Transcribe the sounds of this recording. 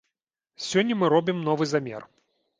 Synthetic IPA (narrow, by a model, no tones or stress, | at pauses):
sʲɔnʲːɐmɨɾɔbʲimnɔvɨzamʲɛ̰r